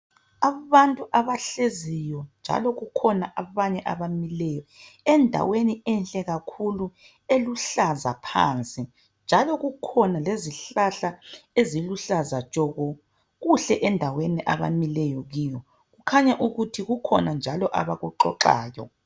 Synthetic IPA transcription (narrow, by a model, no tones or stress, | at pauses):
aβantʼuʔaβaɬezijɔnd͡ʒʱa̰lɔɣukʰɔnaʔaβaɲɛʔaβamilɛjɔɛndʱa̰weniɛnɬʼɛɣakʰulu | eluɬazapʰa̰ːnt͡sʼi | nd͡ʒʱalɔɣukʰɔnaleziɬaɬaeziluɬazat͡ʃʼɔɣɔ | ɣuɬɛʔɛndʱaweniʔaβa̰milɛjɔɣiːjɔ | ɣukʰaɲaʔuɣutʰiɣukʰɔnand͡ʒʱalɔʔaβaɣuǃɔ̰ǃa̰ːjɔ̰